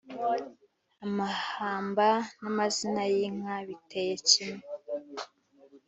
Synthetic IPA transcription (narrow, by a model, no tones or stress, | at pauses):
amahaːmbanamazinajiŋaβitejecime